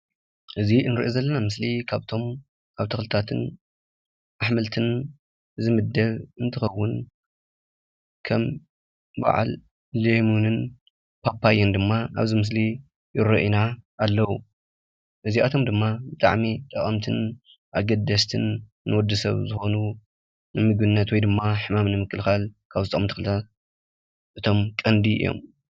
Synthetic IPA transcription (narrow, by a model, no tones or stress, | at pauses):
ʔɨzinɨɾḭʔozɐlːɐnamɨslikʰaβt̪ʰo̞m | kʰaβt̪ʰɐxlɨt̪ʰat̪ʰɨn | ʔaħmɨlt̪ʰɨn | zɨmɨd̪ːɐβɨnt̪ʰɨxɐwːʊn | kʰɐm | ba̰ʕa̰l | lemunɨn | pʰapːajɐnd̪ɨmːaʔaβzimɨs̬li | jɪɾoʔinaːlːɐwu | ʔɨziʔat̪ʰo̞md̪ɨmːabɨt̪ʼa̰ʕmit̪ʼɐkʼɐmt̪ʰɨn | ʔaɡɐd̪ːɐst̪ʰɨn | nːɨwɔd̪ːɨsɐ̰βzɨxo̞nu | nɨmɨɡbɨnːɐt̪wɔjd̪ɨmːaħɨmamnɨmɨkːɨlxalkʰaβzɨt̪ʼɐkʼɐmt̪ʰi̥kɨlt̪ʰat | ʔɨt̪ʰo̞mkʼɐnd̪iɨ̰jːo̞̰m